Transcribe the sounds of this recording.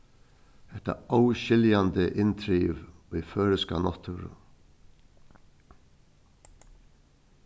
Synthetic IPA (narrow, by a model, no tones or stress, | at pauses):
ɛht̪ə̰awɕɪljand̪əʔɪnt̪ʰɾiːʋiføːɾɪskanɔt̪ʰʊɾ̰